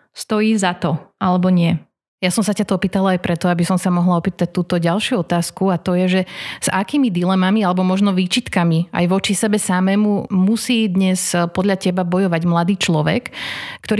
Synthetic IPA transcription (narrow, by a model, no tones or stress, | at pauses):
st̪ɔjiːzat̪ɔʔalɛbɔɲɪɛ | jasɔmsacat̪ɔɔpiːt̪alaajpɾɛt̪ɔabisɔmsamɔɦlaɔpiːt̪ac̚t̪uːt̪ɔɟalˠʃjuɔt̪aːskuat̪ɔjɛʒɛz̥akiːmid̪ilɛmamialɛbɔmɔʒnɔʋiːt͡ʃit̪kamia̰jʋɔt͡ʃisɛbɛsamɛːmumusiːd̪ɲɛspɔd̪ʎacɛbabɔjɔʋaɟmlad̪iːt͡ʃlɔʋɛ̰kːt̪ɔɾ